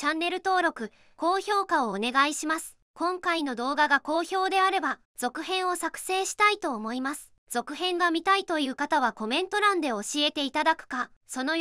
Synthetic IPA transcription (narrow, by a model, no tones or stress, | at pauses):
t͡ɕãnːe̞ɾɯ̟t̪o̞ːɾo̞kɯ̟ | ko̞ːço̞ːkao̞ːne̞ɡaiɕimasɨ̥ | kõ̞ŋkaino̞d̪o̞ːɡaɡako̞ːço̞ːd̪e̞aɾe̞ba | z̥o̞kɯ̟ɦẽ̞ɰ̃o̞sakɯ̟̥se̞ːɕi̥t̪ait̪o̞ːmo̞imasɨ̥ | z̥o̞kɯ̟ɦẽ̞ŋɡamʲit̪ait̪o̞jɯ̟ːkat̪aβ̞ako̞mẽ̞nt̪o̞ɾãnd̪e̞o̞ɕie̞t̪e̞it̪ad̪akɯ̟̥ka | so̞no̞